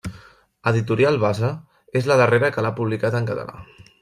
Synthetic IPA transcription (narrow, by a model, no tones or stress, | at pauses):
əðit̪uɾialˠβazə | ezləðəreɾəkəlapuβlikat̪əŋkət̪ə̰la̰